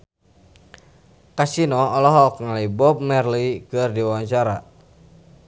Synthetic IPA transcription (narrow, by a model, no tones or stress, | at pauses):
kasinɔɔlɔɦɔkŋalaibɔp̚mɛrlikɨrdiwawaɲt͡ʃaɾa